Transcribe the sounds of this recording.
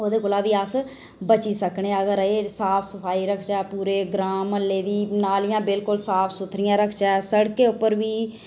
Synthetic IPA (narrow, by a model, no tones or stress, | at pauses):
oːd̪eːkoːlaːʋiːəs | bət͡ʃiːsəkɳeəɡəɾeːsaːpʰsəpʰaːiːɾəkʰt͡ʃaːpuːɾeːɡɾaːməlːeːd̪iːnaːlɪjãːbɪlkʊlsaːpʰsʊt̪ʰɾɪjãːɾəkʰt͡ʃaːɛsəɽkeːʊpːəɾʋiː